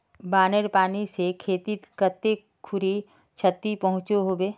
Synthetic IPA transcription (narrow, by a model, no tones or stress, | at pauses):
baːneɾpaːnisekʰeːt̪it̪kət̪ːe | kʰʊɾi | t͡ʃʰət̪ːipɐɦʊ̃t͡ʃoɦoːbeː